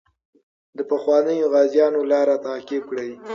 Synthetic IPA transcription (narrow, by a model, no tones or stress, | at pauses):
d̪əpəxwɑnəjoɣɑzjɑnolɑɾat̪ɑːkɪb̚kɽəj